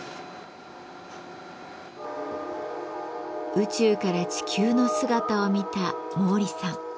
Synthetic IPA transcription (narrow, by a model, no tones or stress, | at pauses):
ɯ̟t͡ɕɨːkaɾat͡ɕi̥kʲʰɨːno̞sɨɡat̪ao̞mʲit̪amo̞ːɾʲisãŋ